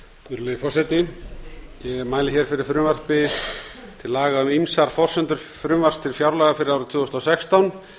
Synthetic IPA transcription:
ʏɾlœjɪfɔrsɛjt̪ɪ | jɛɣmaːjlɪçɛɾ̥fɪɾɪɾ̥fɾʏmvar̥pɪ | t̪ʰɪlːaːɣaʏmimsaɾ̥fɔr̥sʏnt̪ʏɾ̥ | fɾʏmvar̥st̪ʰɪlfjawɾlɛɣafɪɾɪðawɾʏt̪ʰjʏːɔst̪awsɛkst̪awn

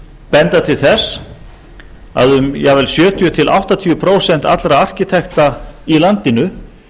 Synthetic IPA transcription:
pɛnt̪at̪ʰɪlθɛs | a̰ðʏmjɛvɛlsjœːt̪ʰʏjʏt̪ʰɪlʔa̰wht̪at̪ʰiʏpʰɾoːwsɛn̥t̪a̰t̪lɾaar̥cɪt̪ʰɛxt̪ailant̪ɪnʏ

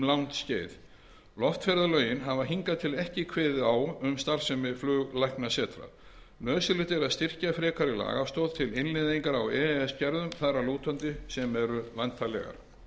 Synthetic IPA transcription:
lawnt̪sceːjð | lɔft̪fɛɾðalœːɥjɪnɦavaɦiŋkaðt̪ʰɪlɛhcɪkʰvɛːðɪaːwʏmst̪aɾ̥sɛmɪflʏːɣlajknasɛːt̪ɾa̰ð | nœːðsɪlɪt̪ɛɾaðst̪ɪr̥cafɾɛːkʰaɾɪla̰ːɣast̪ɔːðt̪ʰɪlɪnlɪðiŋkaɾawɛɛscɛɾðʏmθaɾaluːt̪ʰant̪ɪsɛmɛɾʏvajnt̪ʰalɛ̰ɣa̰ɾ̥

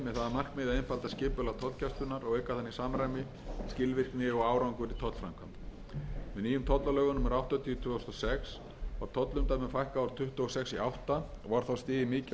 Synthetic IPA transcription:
mɛðθaðamar̥kmɪːðaejnfalt̪ascɪːpʏlat̪ʰɔt̪lcʰɛst̪ʏnaɾɔɣɛkaθanːisaːmɾajmɪ | scɪlvɪr̥knɪɔɣaːwɾawŋkʏɾit̪ʰɔt̪l̥fɾamkʰamp | ɛniːjʏmt̪ʰɔt̪lalœɣʏnʏmaɾawht̪at̪ʰiʏt̪ʰvʏːɔst̪ɔsɛks | vaɾ̥t̪ʰɔt̪lʏmt̪ajmɪfajhkaawɾ̥t̪ʰʏht̪ʏɔsɛksiawht̪a | ɔvaɾ̥θawst̪ɪːðɪmɪːc

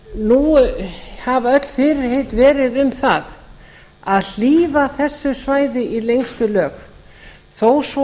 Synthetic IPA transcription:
nu | havœt̪l̥fɪɾɪɾhejt̪vɛːɾɪðʏmθa̰ð | aðl̥iːvaθɛsːʏsvaːjðɪʔilejŋst̪ʏlœːk | θows

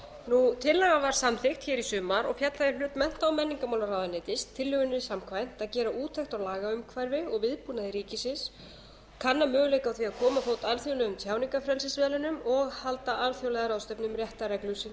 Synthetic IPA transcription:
nut̪ʰɪlːaɣavaɾ̥samθɪxt̪çɛːɾisʏːmaɾɔɣfjat̪laðɪlʏːt̪mɛn̥t̪awmɛnːiŋkamawlaɾawðanɪːt̪ɪst̪ʰːɪlːʏɣʏnɪsamkʰvajn̥t̪aðcɛːɾaʔuːt̪ʰɛxt̪awlaːɣaʏmkʰvajɾvɪɔɣvɪðpuːnaðɪɾiːcɪsɪns | kʰanːamœːɣʏleːjkawθviaðkʰɔːmafowt̪alθjowlɛɣʏmt̪ʰjaːwniŋkafɾɛlsɪsvɛːlɪnʏmɔɣhalt̪aʔalθjowlɛðaɾawst̪œpnʏmrjɛht̪aɾɛklʏsɪn

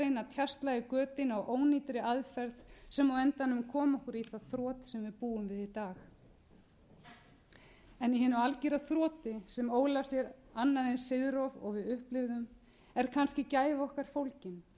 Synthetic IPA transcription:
ejnat̪ʰjarst̪lajɣɪkœːt̪ɪnawʔoːwniːt̪ɾɪaðfɛɾðsɛmawɛnt̪anːʏmkʰɔːmɔhkʏɾiθaðθɾɔːt̪sɛmvɪðpuːʏmvɪðit̪aːx | ɛniɦɛnʏalciɾaθɾɔːt̪ɪsɛmoːwlaɾ̥sjɛɾanːaðejnsɪðɾɔvɔ̰ɣvɪðʏhplɪvðʏm | ɛɾ̥kʰanscɪcaːjvɔhkaɾ̥fowlcɪn

